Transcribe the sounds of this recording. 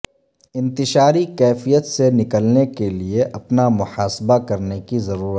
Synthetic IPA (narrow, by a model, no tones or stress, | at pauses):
ɪ̃nt̪ɪʃaːɾikɛːfijət̪senɪkəlnekelieʔɐpnamʊhaːsbakɐɾnekizɐɾuːɾət̪ː